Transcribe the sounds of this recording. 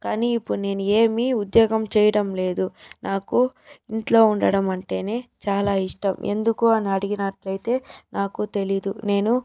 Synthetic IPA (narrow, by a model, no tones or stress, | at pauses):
kaːniːipːuɽune̞ːnue̞ːmiud̪joːɡɐmt͡ʃɛːjɐɽɐmle̞ːd̪unʔaːku | iɳʈlo̞ːuɳɖɐɽɐmɐɳʈe̞ːne̞ːt͡ʃaːlaːiʂʈɐmʔe̞̰nd̪ukuɐnɐɐɽiɡinɐʈlɐjt̪e̞ːnaːkut̪e̞lid̪une̞ːnu